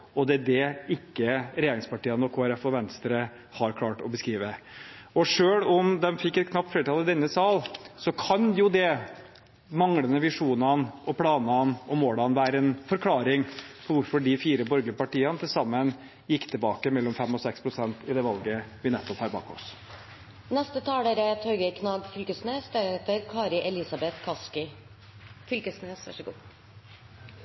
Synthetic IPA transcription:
ɔd̪ɛæɖɛɪkːəɾɛjeːɾɪŋspɑʈiːənɔkʰoːæɾɛfɔʋɛnst̪ɾə | hɑɾkʰlɑːʈɔbəskɾiːʋə | ɔʂøːɭɔmd̪ɛmfɪkːɛt̪̚kʰnɑpt̪flɛːɾəʈ̪ʰɑlɪd̪ɛnːəsɑːlsɔkʰɑnjʊd̪ɛ | mɑŋlənəʋɪʂuːnɑnʔɔpʰlɑːnɑnɔmoːlɑnʋæːɾəɛnfɔɾkʰlɑːɾɪŋpʰɔʋʊɾfɔɖɪfiːɾəbɔɾɡlɪpɑʈiːɑnət̪ʰɪlsɑmːən | jɪkːt̪ʰɪlbɑːkəmɛlːɔmfɛmːɔsɛkspʰɾʊsɛnt̪ɪd̪ɛʋɑlɡəʋɪnɛt̪ːɔphɑːɾbɑ̰ːkɔ̰s | nɛst̪ət̪ʰɑːeɾɛt̪hœʏɡəkʰnɑːɡfʏlkəsneːsd̪ɛeːt̪əɾkʰɑːɾɪʔɛlɪsɑbɛt̪kʰɑskɪ | fʏlkəsneːsʋæ̰ʂəɡṵː

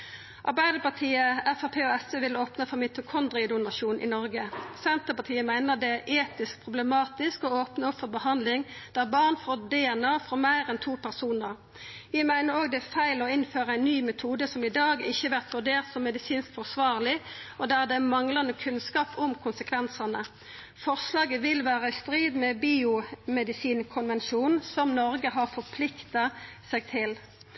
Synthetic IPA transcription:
ʔɑ̰ɾbæɪd̪əpɑʁt̪ʰiːəɛfɑːpʰeːɔɛsəʋɪloːpnəfɔʁmɪt̪ʊkʰɔnd̪ʁɪd̪ʊnɑʃuːnʔɪ̰nɔɾɡəsɛnt̪əpɑt̪ʰiːəmæɪnəd̪ɛæɾʔeːt̪ɪsk̚pʰʁʊbləmɑːt̪ɪskɔoːpnəɔfɔʁbəhɑnd̪lɪŋd̪̥æʁbɑʁnfoːd̪ɛɛnɑːfʁɔmæɪɾɛnt̪ʰuːpʰæʁsuːnəʁ | ʋɪɪmæɪnəɾoːɡd̪ɛæfæɪlɔɪnføːɾəæɪnnːyːmɛt̪ʰuːd̪əsɔmɪd̪ɑːɡɪçːəʋæʁt̪ʋʉɖeːʁt̪sɔmːɛd̪ɪsiːnskfɔʁsʋɑːʁlɪɔd̪æʁd̪ɛæmɑŋlɑnəkʰʉnskɑːpʰʊmkʰʊnsəkʰʋɛnsənə | fɔʁʂlɑːɡəʋɪlʋæːʁəɪst̪ɾiːd̪mɛbiːʊmɛd̪ɪsiːnkʰʊnʋɛnʃuːnsɔmnɔɾɡəɦɑʁfɔɾpʰlɪkt̪ɑsɛɡ̚t̪ʰɪl

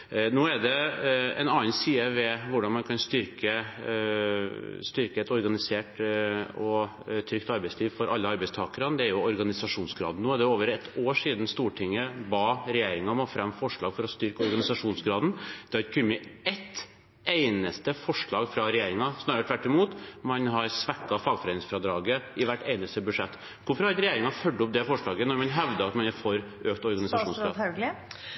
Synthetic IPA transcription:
noːɛd̪ɛɛ̰nɑːənsiːəʋɛʋʊɖɑnmɑnkʰɑnst̪ʏɾkə | st̪ʏɾkəɛt̪ɔɾɡɑnɪseːʈ | ɔ | t̪ʰɾʏkt̪ɑɾbæɪsliːʋfɔɾʔɑlːəɑɾbɛɪst̪ʰɑːkəɾɑd̪ɛæɾjʊɔɾɡɑnɪsɑʂuːnsɡɾɑ̰ːd̪n̩noːæɖɛoːʋəɾɛt̪ːoːʂiːd̪nst̪uːʈʰɪŋːəbɑːɾɛjeːɾɪŋɑmɑfɾɑmːfɔʂɭɑːɡ̥fɔɾɔst̪ʏɾkəɔɾɡɑnɪsɑʂuːnsɡɾɑːd̪nd̪̥ɛɑt̪kʰʉmɪɛt̪ː | eɪnəst̪əfɔʂɭɑːɡfɾɑɾɛjeːɾɪŋɑsnɑːɾəʈ̪ʰʋæʈːɪmuːt̪mɑnɦɑɾsʋækːɑfɑːɡfɔɾɛːnɪŋsfɾɑd̪ɾɑːɡəɪʋæʈːeɪnəst̪əbʉʂɛt̪ː | ʋʊɾfɾɑɑt̪ɾɛjeːɾɪŋɑfœɖːəɔp̚d̪ɛfɔʂɭɑːɡənɔɾmɑnɦɛʋd̪əɑt̪mɑnfɔɾ | øːkt̪ɔɾɡɑnɪsɑʂuːnsɡɾɑ̰ː

